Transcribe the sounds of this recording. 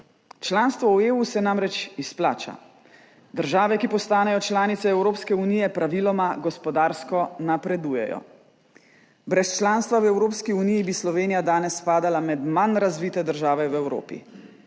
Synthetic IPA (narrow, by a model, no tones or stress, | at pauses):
t͡ʃlaːnst̪ʋɔueːusɛnamɾɛt͡ʃispla̰ːt͡ʃa̰ | d̪əɾʒaːʋɛkipɔst̪aːnɛjɔt͡ʃlaːnit̪sɛɛwɾoːpskɛuniːjɛpɾaʋilɔmaɡɔspɔd̪aːɾskɔnapɾɛd̪uːjɛ̰jɔ̰ | bɾɛst͡ʃlaːnst̪ʋawɛwɾoːpskiunijibislɔʋeːnijad̪aːnɛspaːd̪alamɛd̪manɾazʋiːt̪ɛd̪əɾʒaːʋɛwɛwɾo̰ːpḭ